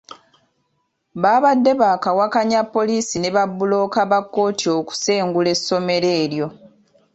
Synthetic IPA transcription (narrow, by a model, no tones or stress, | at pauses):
βaːβadːe̞βakawakaɲapːo̞liːsine̞βabːulo̞ːkaβakːo̞ːtʰio̞ku̥se̞ːŋɡule̞sːo̞me̞ɾe̞ːɾjo̞